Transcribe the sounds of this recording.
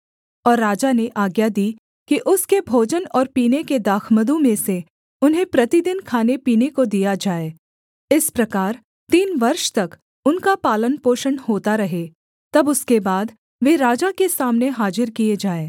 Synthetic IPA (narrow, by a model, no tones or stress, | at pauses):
ɔːɾːaːd͡ʒaneʔaːɡjad̪i | kiʔʊskebʱoːd͡ʒənɔːɾpiːneked̪aːkʰməd̪õmẽse | ʊnɦẽpɾɐt̪id̪ɪnkʰaːnepiːnekod̪ijad͡ʒaːeː | ɪspɾɐkaːɾ | t̪iːnʋɐɾʃt̪ɐk | ʊnkapaːlənpoːʃənhoːt̪aɾɐɦe | t̪ɐbʊskebaːd̪ | ʋeːɾaːd͡ʒakesaːmneɦaːd͡ʒɪɾkied͡ʒaːeː